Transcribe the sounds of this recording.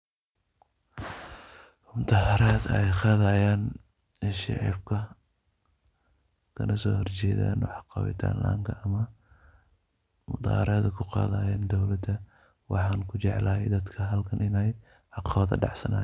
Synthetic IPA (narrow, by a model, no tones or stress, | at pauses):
mʊt̪ɑhɐɾaːd̪ɛ̰jqɑːðɐjaːn | ʃɑ̰ʕḭbkʰɐ | kʰɐnʔɐsɔ̰ːhɔrt͡ʃɛjða̰ːnw̰ħɑqɑ̰wɪ̰t̪ʰa̰ːnlʔa̰ːŋkʰɐʔɐmɐ | mʊd̪ɑ̰ːɾɐːd̪ɐkʰʊqɑ̰ːðɐːjaːnd̪ɔwlɐd̪ɐ | wɑ̰ħɑːnkʰʊt͡ʃɛʕlaːjɛjd̪ɐd̪kʰɐɦɐlkʰɐnʔɪnɛj | ʕɑqɑβɐðɐ̰ɖɑ̰ʕsɐ̰na̰